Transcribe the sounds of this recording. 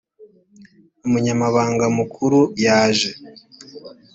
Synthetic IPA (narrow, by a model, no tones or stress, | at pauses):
umuɲamaβaːŋɡamukʰuɾujaːʒe